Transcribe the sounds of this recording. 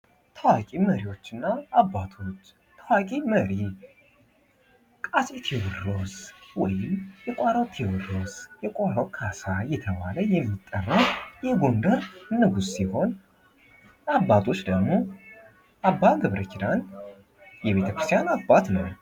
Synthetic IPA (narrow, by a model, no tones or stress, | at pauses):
t̪ʰəwakʼiməɾiwo̞t͡ʃːɨnːaːbːat̪ʰo̞t͡ʃː | t̪ʰːawakʼiməɾi | kʼaset̪ʰɛwɨro̞swɔjɪmjɛkʷʼaɾawt̪ʰewɨro̞zjɛkʷʼaɾawkʰasajɛt̪ʰəβa̰ləjɛmːit̪ʼːərːəwjɛɡo̞nd̪əɾnːɨɡussiho̞n | abːat̪ʰo̞t͡ʃːd̪əɡmo̞ | ʔabːaɡɨβɾəkʰid̪an | jɛβe̞t̪ʰəkɾɨst̪ʰijanabːat̪nə̰w